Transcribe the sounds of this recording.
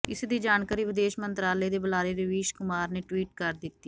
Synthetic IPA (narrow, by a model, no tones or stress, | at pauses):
ɪsd̪iːd͡ʒaːɳkaːɾiːʋɪd̪eːʃmənt̪ɾaːləeːd̪eːbəlaːɾeːɾəʋiːʃkʊmaːɾneːʈʋiːʈ̚kəɾd̪ɪt̪ːiː